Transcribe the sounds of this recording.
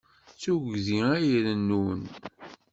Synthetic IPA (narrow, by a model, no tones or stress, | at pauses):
t͡suʝðiæjɾənːun